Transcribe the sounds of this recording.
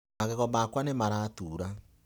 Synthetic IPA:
aɣeɣɔmakwanemaɾaːtuːɾa

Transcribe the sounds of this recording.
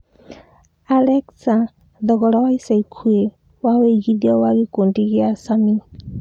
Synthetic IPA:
alɛksa | d̪ɔɡɔɽawajsajkʰue | waweɡid̪jɔwaɡikuɳʈiɡɛasami

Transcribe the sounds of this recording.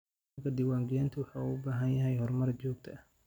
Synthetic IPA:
kʰɐd̪ɪwaːŋɡɛːnt̪ʰʊwɑħauʊbaːɦɐnjɐɦɛjhɔrmɐrt͡ʃɔːɡ̚t̪ʰɐ

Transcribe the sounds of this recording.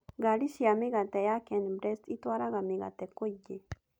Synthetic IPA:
ɡalisjamiɡat̪ejakenbɾest̪it̪waɾaɣamiɣa̰t̪ekoje

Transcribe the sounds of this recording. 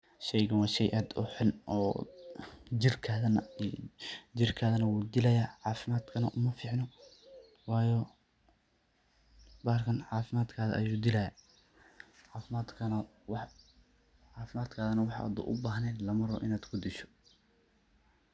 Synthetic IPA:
ʃɛjɣɐwɑːʃɛjʔaːd̪ʊ̰ħʊnɔ̰ː | d͡ʒɪrkʰaːðɐnɐ | d͡ʒɪrkʰaːðɐnɐwuːd̪ɪlɐjaːʕɑːfɪmaːd̪kʰɐnɐʔʊmɐfiːʕnɔ | wɑːjɔ | baːrkʰɐnʕɑːfɪmaːd̪kʰaːðɐ̰ʔɐ̰juːd̪ɪlɐjaː | ʕɑːfɪmaːd̪kʰɐnɐ | w | ʕɑːfɪmaːd̪kʰaːðɐnɐwɑħɑ̰a̰d̪ṵːʔʊbaːɦnɛːnlɐmɐɾɔ̰ːʔɪnaːd̪kʰʊd̪ɪʃɔ̥

